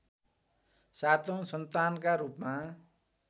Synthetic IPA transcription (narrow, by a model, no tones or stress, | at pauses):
sat̪õsʌnt̪ankaɾupma